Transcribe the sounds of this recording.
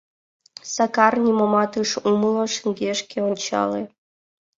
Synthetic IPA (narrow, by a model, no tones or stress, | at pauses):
sɑkɑrnʲimomɑt̪ɯʃumlˠoʃɘŋɡʲeʃkʲeonʲt͡ɕɑ̰lḛ